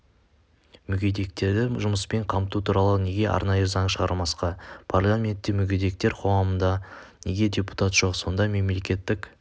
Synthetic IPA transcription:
mʏɡʲe̞d̪e̞k̚t̪e̞ɾd̪ɪʒʊməspe̞ɴqʰɑmt̪ut̪ʰuɾɑlˠəne̞ɡʲe̞ʔɑ̰ɾnɑjəzɑɴʃəʁɑɾmɑsqɑpʰarlˠamʲe̞nt̪ːɪmʏɡʲed̪e̞k̚t̪e̞ɾqʰo̞ʁɑmənd̪ɑne̞ɡʲe̞dʲe̞pu̥t̪at̪ʒ̥o̞qso̞nd̪ɑme̞mle̞kʲe̞t̪ːɪk

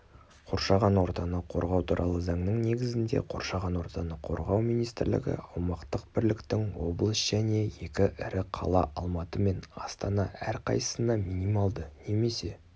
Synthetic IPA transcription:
qʰo̞ɾʃɑʁɑnwo̞ɾt̪ɑnəqʰo̞ɾʁɑwt̪ʰuɾʔɑ̰lˠəzɑɴnəɴne̞ɡʲɪzɪnd̪e̞̰qʰo̞̰ɾʃɑʁɑnwo̞ɾt̪ɑnəqʰo̞ɾʁɑwmijnijst̪ɪɾlɪ̰ɡʲɪ̰ɑwmɑqt̪əq̚b̥ɪɾlɪkt̪ɪŋwo̞blˠəsʒ̥æne̞je̞kʲɪʔɪɾɪqʰɑ̰lˠɑ̰ʔʔɑlˠmɑt̪əme̞nɑst̪ɑnɑæɾqʰɑ̰j̪ə̥sənɑminimɑlˠd̪əne̞me̞se̞

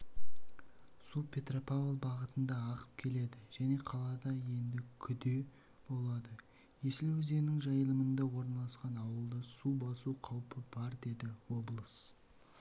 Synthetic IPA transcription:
supʲʰe̞t̪ropavlˠbɑʁət̪ənd̪ɑːʁə̥p̚kʲʰe̞le̞d̪ɪʒ̥æne̞qʰɑlˠɑd̪ɑje̞nd̪ɪkʲʰʏd̪e̞ | b̥o̞lˠɑd̪ə | je̞sɪlwɪze̞nɪŋʒɑjəlˠəmənd̪ɑwo̞ɾnɑlˠɑsqɑnɑwəlˠd̪əsubɑsuqʰɑwpʰəbɑɾd̪e̞d̪ɪwo̞blˠəs

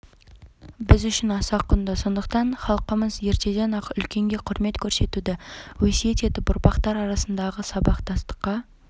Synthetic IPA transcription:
bɪzʏʃɪnɑsɑqʰːʊnd̪əso̞nd̪əq̚t̪ɑnχɑlˠqəməzje̞ɾt̪e̞d̪e̞nɑqʏlkʲe̞ŋɡʲeqʰʊɾme̞t̪kʲʰɵɾse̞t̪ud̪ɪwɵsijet̪e̞d̪ɪbʊɾpɑqt̪ɑɾɑɾɑsənd̪ɑʁəsɑbɑqt̪ʰɑst̪ə̥qːɑ

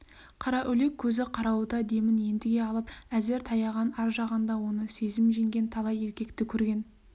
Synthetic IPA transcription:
qʰɑɾɑʔɵle̞kʲʰːɵzɪqʰɑɾɑwud̪ɑd̪e̞mɪnje̞nd̪ɪɡʲe̞ɑlˠəpæzɪɾt̪ʰɑjɑʁɑnɑɾʒɑʁɑnd̪ɑwo̞nəse̞zɪmʒeŋɡʲe̞nt̪ʰɑlˠɑje̞ɾkʲe̞kt̪ɪkʲʰɵɾɡʲe̞n

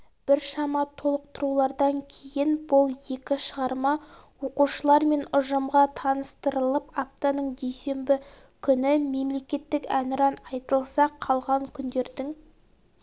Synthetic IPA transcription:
b̥ɪɾʃɑmɑt̪ʰo̞lˠəq̚t̪əɾulˠɑɾd̪ɑŋkʲʰe̞jɪnbʊlˠje̞kʲɪʃəʁɑɾmɑ | wo̞quʃəlˠɑɾme̞nʊʒəmʁɑt̪ʰɑnəst̪əɾəlˠəpap̚t̪anəɴd̪e̞jse̞mbɪ | kʲʰʏnɪme̞mle̞kʲe̞t̪ːɪkænɪɾɑnɑjt̪əlˠsɑqʰɑlˠʁɑŋkʲʰʏnd̪e̞ɾd̪ɪŋ

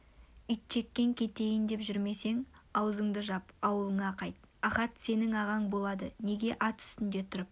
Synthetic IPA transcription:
ʏjt̪̚ʃʰe̞kʲːe̞ŋkʲʰe̞t̪e̞jɪnd̪e̞pʒʏɾme̞se̞ŋɑwzəɴd̪əʒɑpɑwəlˠəɴɑqʰɑjt̪̚ | ɑχɑt̪se̞nɪŋɑʁɑɴbo̞lˠɑd̪əne̞ɡʲe̞ʔɑt̪ʰʏ̥st̪ɪnd̪e̞t̪ʰʊɾəp̚

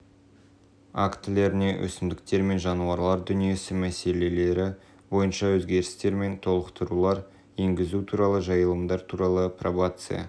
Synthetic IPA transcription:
akt̪ɪle̞ɾɪne̞wʔɵ̰sɪmd̪ɪk̚t̪e̞ɾme̞nʒɑnuɑɾlˠɑɾd̪ʏnije̞sɪmæse̞le̞le̞ɾɪ | bo̞jənʃɑwɵzɡʲe̞ɾɪst̪e̞ɾme̞nt̪ʰo̞lˠəqt̪əɾulˠɑɾ | je̞ŋɡʲɪzut̪ʰuɾɑlˠəʒɑjəlˠəmd̪ɑɾt̪ʰuɾɑlˠəprovat̪sɨ̰ja̰

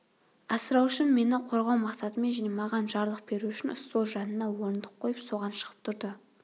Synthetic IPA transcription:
ɑsəɾɑwʃəmːe̞nɪqʰo̞ɾʁɑwmɑqsɑt̪əmenʒinemɑʁɑnʒɑɾlˠəq̚b̥e̞ɾuʏʃɪnʊst̪lˠoʒɑnənɑwo̞ɾənd̪əqʰːo̞jəpso̞ʁɑnʃə̥ʁ̥ə̥p̚t̪ʰʊɾd̪ə

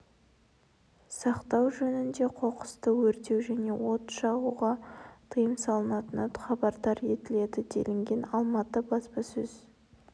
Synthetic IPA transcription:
sɑqt̪ɑwʒɵnɪnd̪e̞qʰo̞qə̥st̪əwɵɾt̪e̞wʒæne̞wo̞t̪ʃɑʁuʁɑt̪ʰəjəmsɑlˠənɑt̪ənɑt̪χɑbɑɾd̪ɑɾe̞t̪ɪle̞d̪ɪd̪e̞̰lɪŋɡʲe̞nɑlˠmɑt̪əbɑspɑsɵz̥

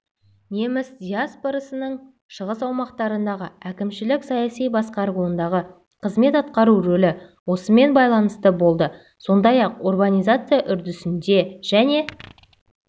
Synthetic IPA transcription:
ne̞mɪsd̪ʲiaspoɾasənəɴ | ʃəʁəsɑwmɑqt̪ɑɾənd̪ɑʁəækʲɪmʃɪlɪksɑjasijbɑsqɑɾʁuənd̪ɑʁə | qʰəzme̞t̪ɑt̪qɑɾuɾɵlɪwo̞səme̞nbɑjlˠɑnəst̪əbo̞lˠd̪ə | so̞nd̪ɑjɑq̚orbanʲijzat̪sɨjaʔʏɾd̪ɪsɪnd̪e̞ʒ̥æne̞

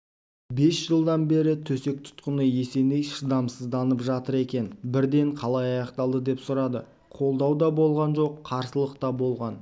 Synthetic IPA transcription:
be̞sʒ̥əlˠd̪ɑnbe̞ɾɪt̪ʰɵse̞k̚t̪ʰʊ̥t̪qənəje̞se̞nejʃəd̪ɑmsəzd̪ɑnəpʒɑt̪əɾe̞kʲe̞nbɪɾd̪e̞ɴqʰɑlˠɑjɑjɑqt̪ɑlˠd̪əd̪e̞psʊɾɑd̪ə | qʰo̞lˠd̪ɑwd̪ɑbo̞lˠʁɑnʒo̞qʰːɑɾsəlˠəqt̪ɑbo̞lˠʁɑn

